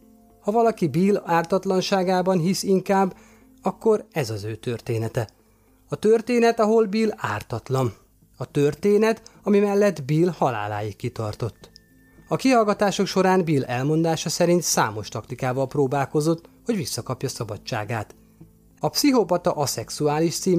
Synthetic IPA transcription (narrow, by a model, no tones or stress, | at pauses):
hɒvɒlɒkibiːlaːrt̪ɒt̪lɒnʃaːɡaːbɒnɦisiŋkaːbː | ɒkːo̞ɾɛzɒzøːt̪ø̞rt̪eːnɛt̪ɛ | ɒt̪ørt̪eːnɛt̪ɒɦo̞lbiːla̰ːrt̪ɒt̪lɒn | ɒt̪ørt̪eːnɛt̪ɒmimɛlːɛd̪biːlhɒla̰ːla̰ːjikːit̪ɒ̰rt̪o̞t̪ː | ɒkiɦɒlɡɒt̪aːʃo̞kʃo̞ɾaːnbiːlɛlmo̞nd̪aːʃɒsɛɾint̪sa̰ːmo̞ʃt̪ɒkt̪ikaːvɒlproːbaːlko̞zo̞t̪ːho̞ɟʋisːɒkɒpjɒsɒbɒtːa̰ːɡaːt̪ | ɒpsiɦopɒt̪ɒʔɒsɛksuaːliʃt̪siː